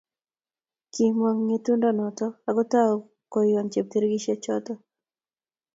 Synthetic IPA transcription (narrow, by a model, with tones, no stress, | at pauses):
ki˨mwa˨ŋːet̪u˦ndɔnɔ˨t̪ɔaɡɔ˦t̪a˦ɔ | ko˨jɔ˨nt͡ʃe˨p̚t̪i˦ɾɡi˦ʃe˦t͡ʃɔ˦t̪ɔ